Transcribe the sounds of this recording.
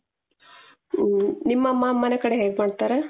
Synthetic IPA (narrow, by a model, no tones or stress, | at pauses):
nimːɐmːɐmːɐnekɐɽeɦeːɡemaːɖt̪aːɾe